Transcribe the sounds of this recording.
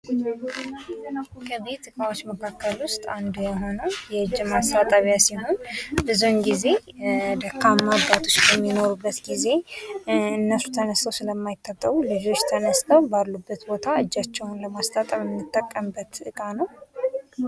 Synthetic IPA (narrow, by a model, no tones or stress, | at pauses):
kʰəbet̪ɨkʼawo̞t͡ʃːməkʰakːəlwʊst̪ʼand̪ujɛɦo̞nəwjɛɨd͡ʒːɨmasɾat̪ʼəβjasiɦo̞nbɨzunɡize̞d̪əkʰːamːabat̪ʰost͡ʃləmːino̞ɾubːət̪ɡize̞ | ɨnːəsu̥t̪ʰənəst̪ʰəwsɨləmːajɪt̪ʼːat̪ʼːəβulɨd͡ʒo̞t͡ʃːt̪ʰənəst̪ʰəwbalːubːət̪bo̞t̪ʰaɨd͡ʒːat͡ʃːɛwnləmast̪ʰʼat̪ʼəməmːɨt̪ːəkʼːəmbːət̪ʔɨkʼanəw